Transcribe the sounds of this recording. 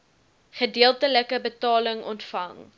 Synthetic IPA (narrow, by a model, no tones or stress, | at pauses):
χədiəlˠtələkəbətɑːləŋɔntfɐŋ